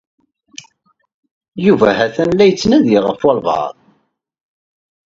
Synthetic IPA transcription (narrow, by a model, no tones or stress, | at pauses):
juvæɦæθænlːæjət͡sːnæðiʁəfwɑlvɑ̰ðˤ